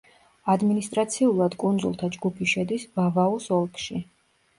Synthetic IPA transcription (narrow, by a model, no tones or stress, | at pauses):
ad̪minist̪ʼɾat̪sʰiulˠad̪kʼund̪zṵlˠt̪ʰad͡ʒɡupʰiʃɛd̪isvavausɔlˠkʰʼʃi